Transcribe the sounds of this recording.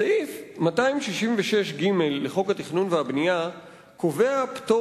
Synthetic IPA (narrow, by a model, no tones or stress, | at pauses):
aifmataimʃiʃiɱveʃe̞ʃɡime̞lːeχo̞khat̪iχnunveabnija | ko̞ve̞apto